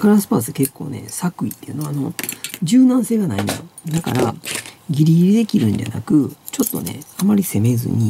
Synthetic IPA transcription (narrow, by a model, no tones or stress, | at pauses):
kaɾasɨ̥paːs̬ɨke̞kːo̞̰ːne̞̰sakɯ̟it̪ːeiɯ̟no̞ano̞d͡ʑɨːnãɰ̃se̞ːɡanaĩnd̪a̰jod̪akaɾaɡʲiɾʲiɡʲiɾʲid̪e̞kʲiɾɯ̟̃nda̰na̰kɯ̟t͡ɕo̞t̪ːo̞̰ne̞̰amaɾʲise̞me̞zɨ̰ɲ̟i